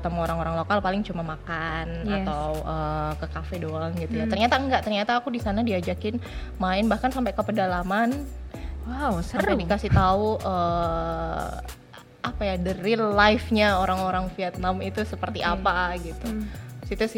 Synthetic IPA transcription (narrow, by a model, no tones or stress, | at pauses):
t̪amoɾaŋoɾaŋlokalpalɪŋt͡ʃumamakanat̪awʔəːkəkafedoaŋɡit̪ujat̪ərɲat̪aəŋɡaʔt̪ərɲat̪aːkudisanadiad͡ʒakɪn | maɪnbahkansampekəpədalaman | wawsadikasit̪auʔə | ʔapajadəɾillajfɲaoɾaŋoɾaŋfiɛt̪̚namit̪usəpərt̪iʔapaɡit̪usit̪us